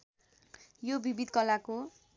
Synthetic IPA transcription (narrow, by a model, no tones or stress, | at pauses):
jobibid̪kʌlako